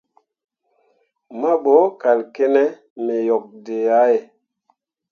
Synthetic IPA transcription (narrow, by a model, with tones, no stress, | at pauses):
ma˦ɓo˨˦ka˨lke˦nɛ˦ | me˨jɔ˨k̚de˨a˨˦e˨